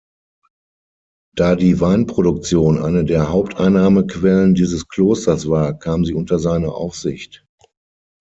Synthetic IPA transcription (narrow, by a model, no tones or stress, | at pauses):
d̥aːdiːvaɪnpʁ̥oɾʊk̚t͡sjoːnʔa̰ɪnədeːɐɦaʊp̚tʰʔa̰ɪnaːməkv̥ɛləndiːzəskl̥oːstɐsv̥aːɐkʰaːmziːʊntɐzaɪnɐʔa̰ʊfz̥ɪçt